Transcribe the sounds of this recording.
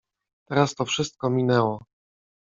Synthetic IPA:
t̪ɛɾast̪ɔfʂɘst̪̚kɔmʲinɛwɔ

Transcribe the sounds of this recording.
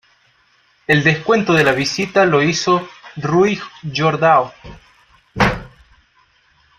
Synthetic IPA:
eld̪eskwe̞nt̪oðelaβisit̪aloisoruiɣʒoɾðao

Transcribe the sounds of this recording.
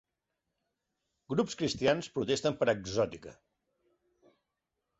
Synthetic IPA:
ɡɾupskɾist̪ianspɾut̪est̪əmpəɾəɡzɔt̪ikə̰

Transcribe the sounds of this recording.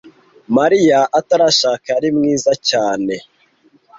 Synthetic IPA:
maɾijaʔataɾaʃaːkaaɾimŋiːzacaːne̞

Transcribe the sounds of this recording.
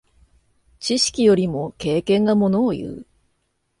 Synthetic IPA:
t͡ɕiɕi̥kʲijo̞ɾʲimo̞ke̞ːkẽ̞ŋɡamo̞noːjɯ̟̰ː

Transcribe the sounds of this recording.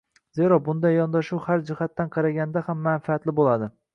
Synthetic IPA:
ze̞ɾɒbʊnd̪ajːɒnd̪aʃʊwhaɾd͡ʒɪhat̪ːanqʰɑɾaɡʲand̪ahamːanfat̪lɪbolˠad̪ɪ

